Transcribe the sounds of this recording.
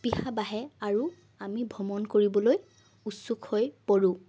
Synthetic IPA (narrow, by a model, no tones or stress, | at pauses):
pihabaɦɛaɹu | amibʱɔmɔnkoɹibɔloj | utsukʰhojpoɹu